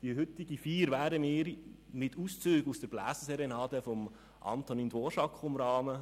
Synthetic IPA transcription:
d̥iəɦʏt̪ɪɡifiːɾʋæːɾəmɪːɾmɪtʰust͡syːɡusd̥əɾb̥læ̰ːsəsɛɾenɑːdəfɔm | ʔɑ̰nt̪ɔnindwoːʃɑkχʊmɾɑːmə

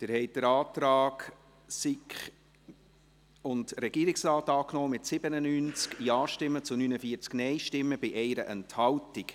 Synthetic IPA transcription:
d̪̥ɪɾhɛɪtd̥əɾɑːtɾɑːk | sikχ | ʊndɾɛɡ̥iːɾɪksɾɑːtɑːknɔːmɪtsɪbənənyːnt͡skiɑːʃtɪmːət͡sʊnyːnəfiːəɾt͡sknɛɪʃtɪmːəbɪʔɛɪɾə̰ʔɛnthɑwtɪk

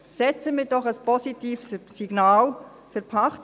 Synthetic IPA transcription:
sɛt͡səmiːɾdɔχəspɔsitiːfsːiɡ̥naːl | fəɾpʰɑχt

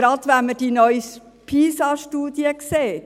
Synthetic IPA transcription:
ɾɑd̪ʋæməd̥inœʏs | pʰiːsɑʃtuːd̪iəkseː

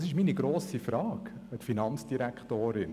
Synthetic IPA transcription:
sɪʃminiɡɾoːsifɾɑːkətfinɑnt͡sd̥iɾækχtoːɾɪn

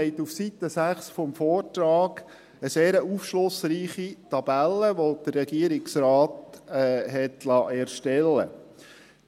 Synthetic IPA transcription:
ɛɪt̪ufsit̪əsæχsfɔmfɔːrtɾɑːɡ̥ | əseːɾəufʃlʊsriːχit̪ɑb̥ælːəʋod̥ərːɛɡiəɾɪksɾɑːtː | ɦɛtlɑʔɛːɾʃtɛlːə̰

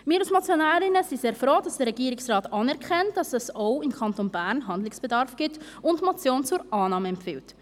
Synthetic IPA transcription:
mɪːɾɑsmɑt͡sjonæːɾɪnəsiseːɾfɾoːd̥ɑsd̥əɾɛɡiːɾɪksrɑːtɑːnɛɾkʰɛnt̚d̥ɑsɛsoʊɪmkʰɑntonbæːɾnɦɑndlɪksb̥ɛdɑɾfɡ̥ɪt | ʊntmot͡sjoːnt͡sʊɾɑːnɑːməɛmpfɪlt

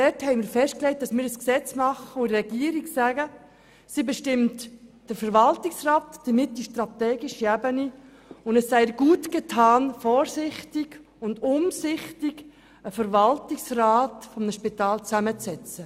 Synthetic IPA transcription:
dɛɾthɛɪmɪːɾfɛʃt̚klɛɪt̚d̥ɑsmɪːɾəsksɛt͡smɑχəorɛɡ̥iːəɾiɡsæɡə | sibɛʃtɪmtd̥əɾfəɾʋɑltɪksraːtd̥əmɪtːiʃtɾɑtɛːɡɪʃiæbəni | ʊndəsːɛɪɡ̥uːtɡ̥etʰɑːnfɔːɾsɪχtɪɡ | ʊndʊmsɪχtɪɡ | əfəɾvɑltɪksraːtfɔmnəʃpitɑːlt͡sæmət͡sɛt͡sə

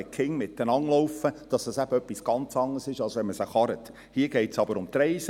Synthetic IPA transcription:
ɛkχɪŋmɪtːənɑŋlɔwfəd̥ɑsd̥ɑsæbəœpːisɡ̥ɑnt͡sɑŋːəsɪʃɑlˠsʋɛnməsəχɑɾət | hiəɡ̥eɪtsɑbəɾʊmt̪ɾɛɪs

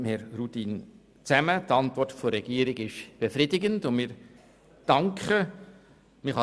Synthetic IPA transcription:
mhɛɾrutin | t͡sæmətɑntvɔɾtfɔɾɛɡ̥iəɾɪɡɪʃb̥efrɪdɪɡəndʊnmɪɾ | d̥ɑŋkχə | mɪχhɑ

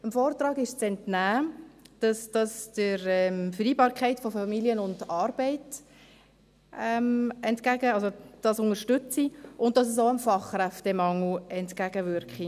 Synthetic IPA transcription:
əmfɔːrtrɑːɡɪʃt͡sɛntnæːd̥ɑsd̥ɑsd̥əɾɛmfəɾiːbɑːɾkʰɛɪtfɔfɑmiljənʊndɑːɾb̥ɛɪt | ɛmɛntkæɡəɑlsod̥ɑsʊŋəɾʃtʏt͡siʊnt̚dɑs̬əs̬oʊəmfɑχrɛftɛmɑŋl̩ɛntkæɡəvʏɾkχi

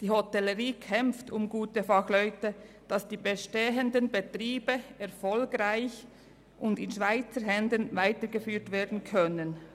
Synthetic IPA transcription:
d̥iːhotɛləʁiːkʰɛmftʊmɡuːtəfɑxlœʏtə | d̥ɑsd̥iːbeʃteːəndənbetʁiːbəɛʁfɔlɡʁaɪç | ʔʊndɪnʃv̥aɪt͡səɦɛndənvaɪtəɡəfyːtveːdn̩kʰœnən

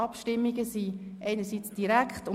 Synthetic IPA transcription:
ɑpʃtɪmːiɡəsiʔɛɪnəɾsit͡sd̥iɾækχtʊ

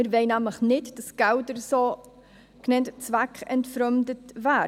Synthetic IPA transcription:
ɪɾveɪnæmləχnɪtd̥ɑsɡ̥ældəɾsoː | knɛntt͡svækχɛ̰ntfɾœmdətvæː

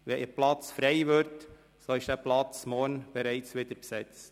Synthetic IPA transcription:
ʋɛɪplɑt͡sfɾɛɪʋøɾt | soɪʃd̥æːplɑt͡smɔːnb̥ɛɾɛɪt͡sʋɪd̥əɾpsɛt͡st

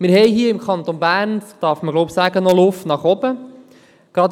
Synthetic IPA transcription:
mɪɾhɛjɦiːəɪmkʰɑnt̪onbæːrnd̥ɑːɾfməɡlɔʊpsæːɡ̥ənɔlʊftnɑχɔbə | ɡ̥ɾɑt

